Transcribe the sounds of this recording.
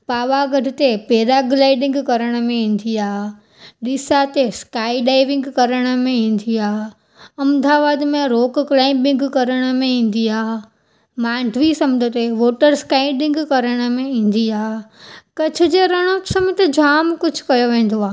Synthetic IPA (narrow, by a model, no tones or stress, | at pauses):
paːʋaɡɐʈɪt̪epeːd̪aɡlaːɪɖɪ̃ŋɡkɐɾəɽ̃əmẽĩːn̆d̪iaːɦ | ɗɪsat̪eskaːiɖaːɪʋɪ̃ŋɡkɐɾəɽ̃ə̆mẽĩːn̆d̪iaːɦ | ɐ̃md̪aːʋaːd̪mẽɾoːkklaːɪmbɪ̃ŋɡkɐɾəɽ̃əmẽĩːn̆d̪iaːɦ | mãːɳɖʱʋisɐmd̪ət̪eʋoːʈəɾskaːɪɖɪ̃ŋɡkɐɾəɽ̃ə̆mẽĩːn̆d̪iaːɦkɐt͡ɕʰɪ̆d͡ʑeɾɐɽ̃osɐmt̪ed͡ʑʱaːmkʊd͡ʑʱkɐjoʋẽːn̆d̪oaːɦ